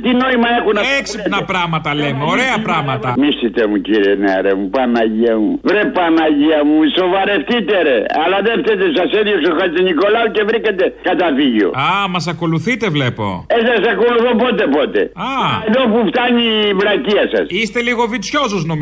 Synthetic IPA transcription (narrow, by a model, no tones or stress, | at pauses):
t̪ino̞imɐexunɐeksipnɐpɾɐmɐt̪ɐlemeoɾeɐpɾɐmɐt̪ɐmist̪it̪emuciɾieneɾemupɐnɐʝiɐmuvɾepɐnɐʝiɐmuso̞vɐɾe̞ft̪it̪eɾeɐlɐðeft̪et̪esɐseðiosoxɐzt̪eniko̞lɐuce̞vɾikɐt̪ekɐt̪ɐfiʝo̰ɐmɐs̬ɐko̞luθit̪e̞vlepo̞̰esɐsɐko̞luθopot̪epot̪ḛɐeðo̞puft̪ɐɲivɾɐciɐsɐ̰sist̪e̞liɣo̞vit̪sço̞suznom